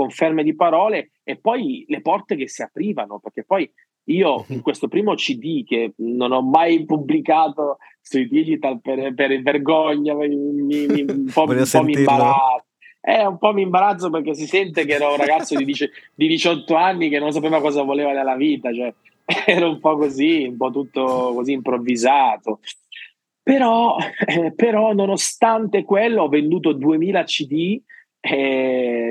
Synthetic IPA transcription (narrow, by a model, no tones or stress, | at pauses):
koɱfermed̪ipaɾɔːle | epːɔjlepɔrt̪ekesːiapɾiːvanoperk̟epːɔj | iːoiŋkwest̪opɾiːmot͡ʃid̪ikenonɔmːajpublikaːt̪o | suid̪id͡ʒit̪alperperverɡɔɲːamiimpɔumpɔmimbaɾa | ɛɾaumpɔmːimbaɾat̪sːoperk̟es̬isɛnt̪ek̬eɛːɾaunraɡat̪sːod̪id̪it͡ʃd̪id̪it͡ʃɔt̪ːoanːikenːons̬apeːvakɔːzavoleːvanelːaviːt̪at͡ʃoɛ | ɛːɾaumpɔkːoziumpɔt̪ːut̪ːokoziːmpɾovːizaːt̪o | peɾɔ | peɾɔnonost̪ant̪ekwelːoɔvːend̪uːt̪od̪uemiːlat͡ʃid̪i | ɛ